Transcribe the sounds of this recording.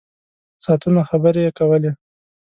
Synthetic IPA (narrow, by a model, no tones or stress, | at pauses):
sɑt̪unaxabəɾejekawəle